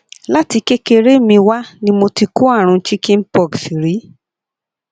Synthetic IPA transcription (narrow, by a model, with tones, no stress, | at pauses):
la˦ti˧ke˦ke˧ɾe˦mĩ˧wa˦nĩ˦mo˧ti˧ko˦a˦˨ɾ̃ũ˧˦t͡ʃi˦kĩ˦m̩˦pɔ˦˨ɡsi˨ɾi˨˦